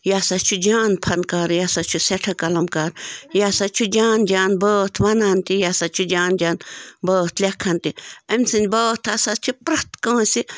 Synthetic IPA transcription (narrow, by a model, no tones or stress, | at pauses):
jaːsat͡ʃʰud͡ʒaːnpʰɐnkaːɾjaːsat͡ʃʰuseʈʰɐkɐlɐmkaːɾjaːsat͡ʃʰud͡ʒaːnd͡ʒaːnbəːt̪ʰʋɐnaːnt̪ijaːsat͡ʃʰud͡ʒaːnd͡ʒaːnbəːt̪ʰlʲɐkʰːɐnt̪iɐmʲsɨnʲbəːt̪ʰasat͡ʃʰipɾɐt̪kɐ̃ːsi